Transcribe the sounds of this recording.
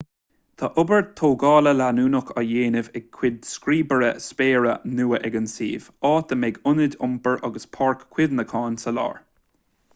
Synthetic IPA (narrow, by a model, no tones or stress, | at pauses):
t̪ʰaʔʊbəɹ̚t̪ʰoːɡɑːləlanuːnʊkʰəjeːnɪvɛɡ̚kʰːwɪd̪skɾiːbəɹəspeːɹənuːəʔɛɡənsḭːv̥ɑːt̪əmɛɡʊnɪdʲʊmpəɹʔɑ̰ɡəspʰɑɹkʰːw̥ɪd̪nəkʰɑːnsəlɑ̰ːɹ